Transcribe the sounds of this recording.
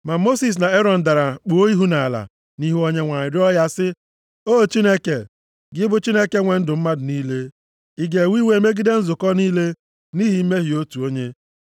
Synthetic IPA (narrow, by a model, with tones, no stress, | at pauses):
ma˨mo˦si˨s̬na˨e˦ɾɔ˨n̩˨da˨ɾa˨k͡pʊ˨o˦i˦ɦu˦na˨la̰˨ | ni˦ɦo˦ɲe˦ŋʷa˨ɲɪ˨ɾɪ˦ɔ˦ja˦sɪ˦ | o˦˨t͡ʃi˦ne˦ke˨ | ɡɪ˦bʊ˨t͡ʃi˦ne˦ke˨ŋʷe˨n̩˦dʊ˨m̩˦ma˦dʊ˨niː˦le˦ | i˦ɡe˨wi˦we˨˦me˦ɡɪ˦de˦n̩˦zʊ˨kɔ˦niː˦le˦ | ni˦ɦi˨m̩˦me˦ɦi˨o˦tu˨o˦ɲe˦